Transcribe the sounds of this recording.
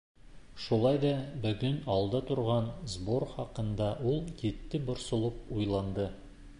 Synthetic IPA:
ʃulˠɑjd̪ɑbɵ̆ɡɵnɑlˠd̪ɑt̪ŏɾʁɑnzboɾχɒqɤ̆nd̪ɑʔulˠjit̪ːɘbŏɾsŏlˠɤpujlˠɑnd̪ɤ

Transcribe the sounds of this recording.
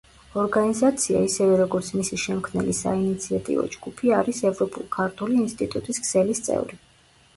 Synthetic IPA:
ɔɾɡanizat̪sʰia̰isɛvɛɾɔɡɔɾt̪sʰmisiʃɛmkʰmnɛlisa̰init̪sʰiat̪ʼḭvɔ̰d͡ʒɡupʰiaɾisɛvɾɔpʼṵlˠkʰaɾt̪ʰuliːnst̪ʼit̪ʼut̪ʼiskʰsɛlist̪sʼɛ̰vɾi

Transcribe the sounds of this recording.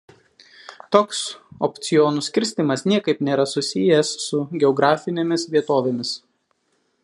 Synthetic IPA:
t̪oːksɔpʲt̪sʲɪjɔːnuːsʲkʲɪɾʲsʲt̪ʲɪmɐsnʲiɛkɐɪpnʲeːɾɐsʊsʲɪjɛsːʊɡʲɛɔːɡɾɑːfʲɪnʲeːmʲɪsʋʲiɛt̪oːʋʲeːmʲɪs

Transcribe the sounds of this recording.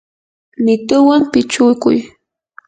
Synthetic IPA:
nɪt̪ʊwampɪt͡ʃʊkʊ̰j

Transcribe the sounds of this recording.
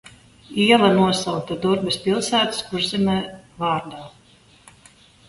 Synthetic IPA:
iɛlˠanuɔsawt̪ad̪uɾbɛspilˠsæːt̪suɾzimɛvaːɾd̪aː

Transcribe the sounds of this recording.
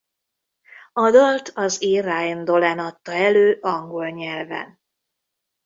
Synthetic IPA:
ɒd̪olt̪ɒzeːrajnd̪o̞lɛnɒt̪ːɒɛløːʔɒŋɡo̞lɲɛlvɛ̰n

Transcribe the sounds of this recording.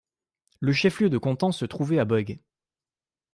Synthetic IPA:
ləʃɛfljød̪əkɔ̃t̪ɑ̃sət̪χuvɛabɔɡ

